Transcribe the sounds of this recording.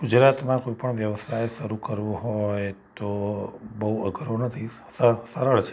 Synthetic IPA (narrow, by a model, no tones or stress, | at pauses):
ɡ̥ud͡ʒɾat̪mãkoipəɳʋjəʋəsʰajʃəɾukəɾʋũɦojt̪obəɦuəɡʱɾonət̪ʰi | ssəɾəɭt͡ʃʰe̥